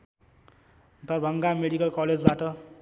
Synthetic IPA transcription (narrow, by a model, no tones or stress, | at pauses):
d̪ʌrbʱʌŋɡameɽikʌlkʌled͡zbaʈʌ